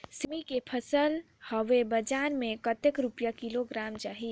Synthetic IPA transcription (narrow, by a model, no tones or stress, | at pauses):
simikepʰəsəl | həʋebəd͡ʒaːnmẽkət̪ekɾupjakiloɡɾaːmt͡ʃaːɦi